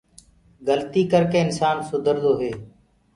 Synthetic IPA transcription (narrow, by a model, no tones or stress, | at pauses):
ɡəlt̪iːkəɾkeːɪnsaːnsʊd̪ʱəɾd̪oːɦeː